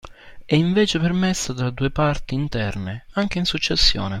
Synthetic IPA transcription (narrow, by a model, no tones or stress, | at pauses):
ɛiɱveːt͡ʃepermɛsːat̪ɾad̪uːepart̪iːnt̪ɛrneaŋk̟einsut͡ʃːesːjo̰ːne